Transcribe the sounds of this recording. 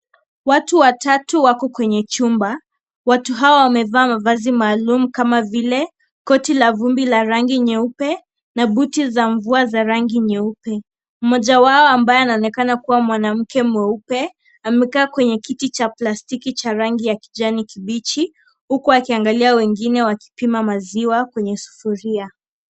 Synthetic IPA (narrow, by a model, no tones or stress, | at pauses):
watuwatatuwakɔkwɛɲɛt͡ʃumba | watuɦaɔwamɛvaːmavazimaːlumukamavilɛ | kɔtilavumbilaɾaŋɡiɲɛupɛ | naɓutizaɱvuazaɾaŋɡiɲɛupɛ | m̩mɔʄawaɔambaɛanaɔnɛkanakuwamwanam̩kɛmwɛupɛ | amɛkaːkwɛɲɛkitit͡ʃaplastikit͡ʃaɾaŋɡijaki̥d͡ʒanikiɓit͡ʃi | hukuakiaŋɡaliawɛŋɡinɛwaki̥pimamaziwakwɛɲɛsu̥fuɾia